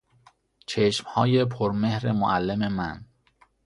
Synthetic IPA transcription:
t͡ʃʰeʃmhɒːjepʰoɾmehɾemo̰ʔælːememæn

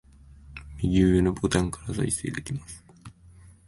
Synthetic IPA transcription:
miɡʲinopʰot̪ãŋkʰaɾaza̰isḛjd̪ekʲimas

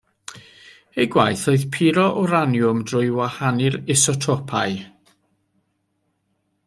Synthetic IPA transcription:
ejɡwajθoɨðpʰɪɾɔʔɔɾanjʊmdrʊjwahanɪɾɪsɔtʰɔpʰaj

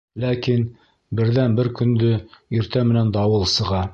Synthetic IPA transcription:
lækin | bɘ̆ɾðænbɘɾkɵ̆nd̪ɵiɾt̪æmɘ̆nænd̪ɑwɤlˠsɤ̆ʁɑ

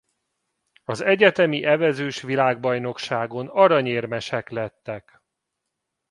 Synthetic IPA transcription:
ɒzɛɟɛt̪ɛmiʔɛvɛzøːʃʋilaːɡ̚bɒjn̪o̞kʃaːɡo̞nɒɾɒɲeːrmɛʃɛklɛt̪ːɛk

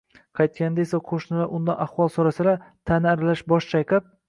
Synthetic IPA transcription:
qʰɑjt̪̚kʲand̪aesaqʰoʃnɪlaʔʊnd̪anʔaχwɒlˠsɒɾasɪdlat̪ʰanaɾlaʃbɒʃt͡ʃʰajqɪp̚

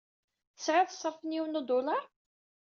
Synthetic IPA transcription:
θəsʕaðˤəsˤːəɾˤfənjiwnud̪ˤʊlɑ

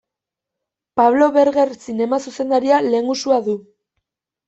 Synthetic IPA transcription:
paβlo̞βe̞ɾɣe̞ɾsine̞masuse̞nd̪aɾiale̞ŋɡusuaðu

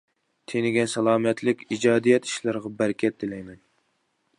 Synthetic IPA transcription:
t̪ʰenɪɡʲɛnsɛlˠɑːmɛt̪ʰlɪkʲid͡ʒɑːd̪ijɛt̪ʰi̥ʃlɨɾʁɑbæɾkʲʰɛt̪ːɪlɛjmɛn

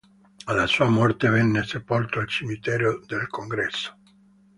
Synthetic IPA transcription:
alːasuːamɔrt̪evɛnːesepolt̪oalt͡ʃimit̪ɛːɾod̪elkʰoŋɡɾɛsːo̥

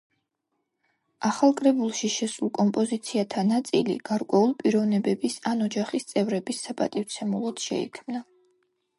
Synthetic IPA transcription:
aχalˠkʼɾɛbulˠʃiʃɛsulˠkʼɔmpʼɔzit̪sʰiat̪ʰanat̪sʼḭlḭɡ̥aɾkʼwɛulˠpʼiɾɔvnɛbɛbisanɔd͡ʒaχist̪sʼɛvɾɛbisːapʼa̰t̪ʼift̪sʰɛmulˠɔd̪̥ʃɛ̰ḭkʰmna

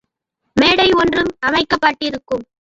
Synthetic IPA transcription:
meːɽɐɪɔndrɯmɐmɐɪkːɐpːaːʈːɪɾɯkːɯm

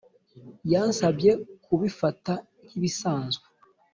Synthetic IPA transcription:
jansabje̞kuβifata | niβisaːnzɡe

